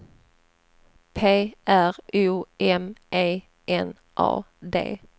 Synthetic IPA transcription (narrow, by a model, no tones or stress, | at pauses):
pʰeːæʁʉːʔɛmʔeː | ʔɛn | ʔɑ̰ː | d̪ḛː